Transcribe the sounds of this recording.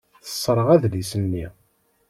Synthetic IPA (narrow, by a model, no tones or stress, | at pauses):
θə̥sˤːɾˤəʁæðlisənːi